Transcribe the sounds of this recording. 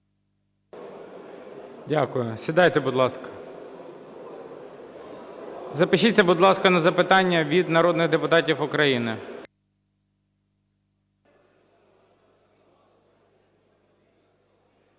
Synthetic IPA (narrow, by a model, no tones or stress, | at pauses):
dʲakʊjʊsʲid̪ɑjt̪ɛbʊd̪lˠɑskɐ̥ | zɐpɪʃit͡sʲːɐbʊd̪lˠɑskɐnɐzɐpɪt̪ɑnʲːɐʋʲid̪nɐɾɔd̪nɪɣd̪epʊt̪ɑtʲiwʊkɾɐjinɪ